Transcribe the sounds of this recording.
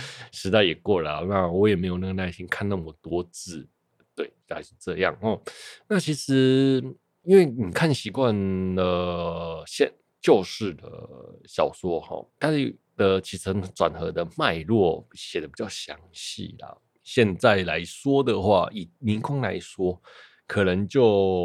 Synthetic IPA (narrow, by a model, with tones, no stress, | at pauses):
ʂɻ̩˧˥t̪a˥˩ɪjɛ˨˩kwɔ˥˩lə˨˩˨na˥˧wɔ˧˥jɛ˨˩me˧˥ɪjo˨˩na˥˩ɡə˩na˥˧˩ɪɕi˦nkʰa˥˧na˥˩mə˩t̪wɔ˥˦t͡sɹ̩˥˩ | t̪we˥˩ɪa˧˥ɪʂɻ̩˥˧ʈ͡ʂɤ˥˧jɑ̰˥˨˩ŋhɔ˨˩na˥˩t͡ɕʰi˧˥ʂɻ̩˧˦ | i˥nwe˥˩ɪni˨˩kʰa˥˩nɕi˧˥kwa˥˧nə˩ | ɕjɛ˥˧n | t͡ɕjo˥˧ʊʂɻ̩˥˩d̪ə̰˩ɕjɑ˨˩ʊswɔ˥xɔ̰˨˩t̪ʰa˥˨ | d̪̥ə˨t͡ɕʰi˨˩t͡sʰə˧˥ŋt͡swa˨˩nxɤ˧˥d̪ə˧ma˥˧ɪlwɔ˥˨ɕjɛ˨˩d̪ə˦pi˨˩t͡ɕɑ˥˩ʊɕjɑ̰˧˦ŋɕḭ˨˩lɐ̰˩ | ɕjɛ˥˧nt͡sa˥˩ɪla˧˦˥ɪswɔ˥d̪ə˨xwa̰˥˩ʔi˨˩ni˧˥nkʰʊ˥ŋla̰˧˦˥ɪswɔ˥ | kʰɤ˨˩nə˧˦ŋt͡ɕjo˥˩ʊ